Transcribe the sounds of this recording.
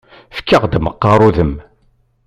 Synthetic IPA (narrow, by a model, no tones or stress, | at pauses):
fkːəʁd̪məqːɑɾˤuðəm